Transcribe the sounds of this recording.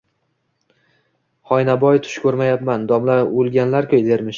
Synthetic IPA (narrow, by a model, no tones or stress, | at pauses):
χɒjnabɒjt̪ʰʊ̥ʃkʲʰɵɾmajapmand̪ɒmlaɾolˠɡʲanlaɾkʰʲojd̪eɾmɪʃ